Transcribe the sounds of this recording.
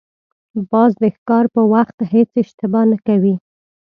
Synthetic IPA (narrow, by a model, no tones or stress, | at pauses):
bɑzd̪əxkɑɾpəwaxt̪het͡sɪʃt̪ɪbɑnakawi